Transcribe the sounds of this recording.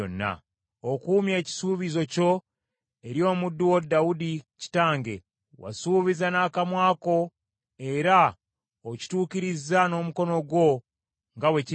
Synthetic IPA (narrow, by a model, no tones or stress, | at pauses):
o̰nːa̰ | okuːmje̞ːci̥suːβizo̞co̞ | e̞ɾjo̞ːmudːuwodawudici̥taːŋɡe̞̰ | wa̰suːβizanaːkamwaːko̞ | e̞ɾa | oci̥tuːkiɾizano̞ːmuko̞no̞ɡwo̞ | ŋɡawe̞ci